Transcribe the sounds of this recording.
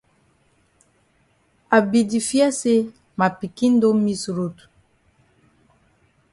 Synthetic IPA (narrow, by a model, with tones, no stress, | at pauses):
a˨bi˨di˨fjɛ˦se˦ | ma˨pi˨ki˦n̩˦do˦mi˦sɾo˦tu̥˨